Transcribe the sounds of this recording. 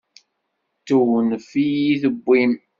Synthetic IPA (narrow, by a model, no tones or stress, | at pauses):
t̪uwənfijiθəbːim